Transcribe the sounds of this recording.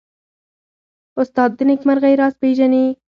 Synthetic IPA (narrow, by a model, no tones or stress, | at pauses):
ʊst̪ɑːd̪ːɪnɪkmaɾɣajɾɑːspeːʒani